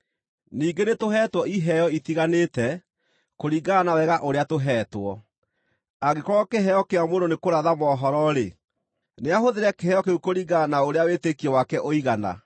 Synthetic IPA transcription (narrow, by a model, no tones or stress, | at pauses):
niːɡenetoɦɛːtwɔiɦɛjɔitiɣanetɛ | koɾiɡaːnawɛɣaʔoɾeatoɦɛːtwɔ | aɡekɔɣɔkeɦɛjɔkeamononekoɾaðamɔːɦɔɾɔɾe | neaɦoðeɾɛkeɦɛjɔkeukoɾiɡanaoɾeawetekiɔwakɛʔoiɣana̰